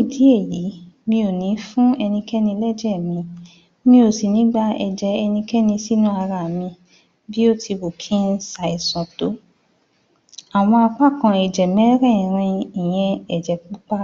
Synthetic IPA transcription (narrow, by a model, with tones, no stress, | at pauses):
i˦˨di˨˦e˦˨ji˨˦mĩ˧o˨nĩ˨˦fũ˦ɛ˧nĩ˧kɛ˦nĩ˧lɛ˦d͡ʒɛ˦˨mĩ˧ | mĩ˧o˨si˨nĩ˨˦ɡ͡ba˦ɛ˧d͡ʒɛ˨˦ɛ˧nĩ˧kɛ˦nĩ˧si˦nũ˦a˧ɾa˨mĩ˧ | bi˦o˦tʰi˧bo˨kʰĩ˦sa˨i˨sã˨to˨˦ | a˨w̃ɔ̃˧a˧k͡pa˦˨kã˧ɛ˨d͡ʒɛ˨mɛ̃˨˦ɾɛ̃˦˨ɾ̃ĩ˧i˨j̃ɛ̃˧ɛ˨d͡ʒɛ˨k͡pu˦k͡pa˦